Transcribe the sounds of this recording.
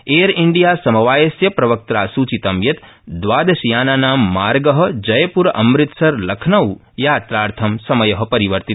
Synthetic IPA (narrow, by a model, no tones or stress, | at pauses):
eːɾɪɳɖijaːsɐmɐʋaːjɐsjɐpɾɐʋɐk̚t̪ɾaːsut͡ʃit̪ɐmjɐt̪ | d̪ʋaːd̪ɐʃijaːnaːnaːmːaːɾɡəɦɐ̆d͡ʒɐjpuɾʔɐ̰mɾɪt̪sɐɾlɐkʰnɐw | jaːt̪ɾaːɾt̪ʰɐmsɐmɐjɐɦɐ̆pɐɾiʋəɾt̪it̪